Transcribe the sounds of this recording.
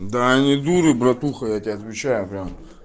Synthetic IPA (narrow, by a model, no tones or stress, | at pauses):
d̪aːnʲid̪uɾɨbɾɐt̪uxɐjatʲɪaɐt̪vʲɪt͡ɕːajʊpɾʲam